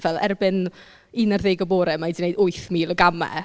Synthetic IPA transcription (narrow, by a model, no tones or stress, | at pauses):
vɛlˠɛ̰rbɨn | inarðeːɡɔboːɾɛmajdinejdʊɨθmiːlˠɔɡamɛ̰